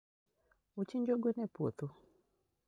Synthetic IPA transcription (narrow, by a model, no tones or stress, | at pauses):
ut͡ʃiɲd͡ʒoɡwenɛpot̪u